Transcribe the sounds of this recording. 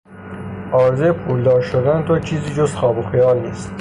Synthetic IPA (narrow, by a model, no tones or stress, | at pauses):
ʔɒːɾzejpʰuːld̪ɒːɾʃod̪ænt̪ʰoɾt͡ʃʰiːziːd͡ʒozxɒːboxijɑːlnḭːst̪